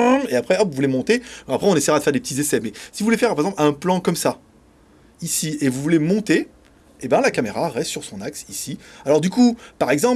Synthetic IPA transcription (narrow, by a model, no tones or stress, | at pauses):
eapχɛɔpvuvulemɔ̃t̪eapχɛɔ̃nesɛjʁad̪əfɛʁd̪epə̥t̪izesɛmɛsivuvulefɛʁpaʁezɑ̃plɛ̃plɑ̃kɔmsa | isievuvulemɔ̃t̪e | ebɛ̃lakameʁaʁɛst̪ːsyʁsɔ̃naksisialɔʁd̪ykupaʁɛɡzɑ̃